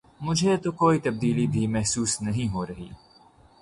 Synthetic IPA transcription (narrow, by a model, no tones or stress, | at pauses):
mʊd͡ʒɛːt̪okɔjt̪ɛb̚d̪iːliːbiːmɛhsuːsnɛɦĩɦɔɾhḭː